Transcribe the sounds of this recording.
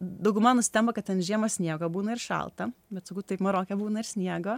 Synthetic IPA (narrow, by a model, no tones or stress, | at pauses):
d̪ɐʊɡʲʊmɐnnʊsʲɪ̥t̪ʲɛmpɐkɐt̪̚t̪ʲɛnʒʲiɛmosʲnʲiɛɡoːbuːnɐɪrʃɐ̰lˠt̪ɐbʲɛt̪sɐkuːt̪t̪ɐɪpmɐɾoːkʲɛbuːnɐɪɾsʲnʲiɛɡo